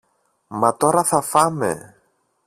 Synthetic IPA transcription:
mɐt̪o̞ɾɐθɐfɐmḛ

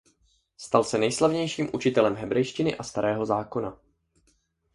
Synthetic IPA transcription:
st̪alsɛnɛjslavɲɛjʃiːmʔut͡ʃɪt̪ɛlɛmɦɛbɾɛjʃcɪnɪʔast̪aɾɛːɦo̞zaːko̞na

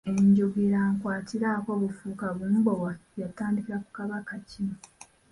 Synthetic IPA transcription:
e̞ɲɟoɡeɾaːŋkwaːtiɾako̞βufuːkaβuːmbo̞wajataːndikiɾaku̥kaβakacino

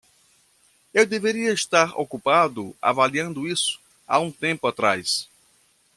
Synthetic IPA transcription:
ewd̪eveɾiɐeʃt̪aɾo̰kupad̪ʊa̰valiɐ̃nd̪ʊisʊ̥ | a̰ũt̪ẽmpʊat̪ɾajs

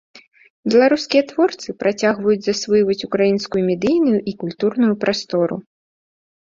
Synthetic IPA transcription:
bʲɛlˠaɾuskʲijɐt̪vɔrt̪sɨpɾat͡sʲaɣvɐjud͡zʲzɐsvɨjvɐt͡sʲukɾajinskujumʲɛd̪ɨjnujuʔikulʲt̪urnujupɾast̪ɔɾṵ

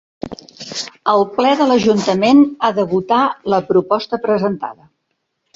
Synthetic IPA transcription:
əlˠplɛðələʒunt̪əmenaðəβut̪aləpɾupɔst̪əpɾəzənt̪a̰ðə

